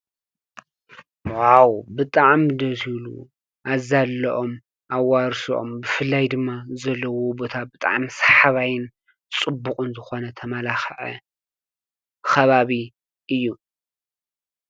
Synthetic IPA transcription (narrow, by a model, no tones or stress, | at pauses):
wawbɨt̪ʼaʕmd̪ɐzilṵ | ʔazalːɐʔo̞m | ʔawaɾsuʔo̰mbɨfɨlːajd̪ɨmːazɐlːɐwobo̞t̪ʰabɨt̪ʼa̰ʕmisḁħaβajɪn | t͡sʼɨbːuqʼɨnzɨxo̞nɐt̪ʰɐmalaxʕɐ̰ | kɐβaβi | ʔɨjːu